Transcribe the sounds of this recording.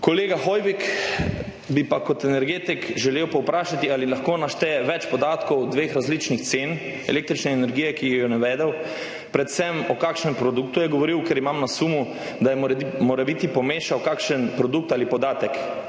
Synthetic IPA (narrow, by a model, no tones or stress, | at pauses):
koleːɡaxɔjʋik | bipakɔt̪ɛnɛɾɡeːt̪ikʒɛlewpɔwpɾaːʃat̪ialilaxkoːnaʃt̪ɛɛʋɛt͡ʃpɔd̪aːt̪kɔwd̪ʋeːxɾazlit͡ʃnixt̪seːn | ɛ̰lek̚t̪ɾit͡ʃnɛːnɛɾɡijɛkijɔnɛʋɛːd̪ɛw | pɾɛt̪sɛmɔkakʃnɛmpɾɔd̪uk̚t̪ujɛɡɔʋɔɾiwkɛɾimamnasumu | d̪ajɛmoːɾɛbit̪ipɔmeːʃawkakʃənpɾɔd̪uk̚t̪alipɔd̪aːt̪ɛk